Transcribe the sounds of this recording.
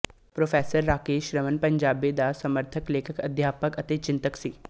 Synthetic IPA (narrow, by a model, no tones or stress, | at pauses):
pɾoːfʰɛːsəɾːaːkeːʃɾəmənpɐ̃ɲd͡ʒaːbed̪asɐməɾt̪ʰəkleːkʰəkɐd̪ʱjaːpəkɐt̪et͡ʃɪ̃nt̪əksiː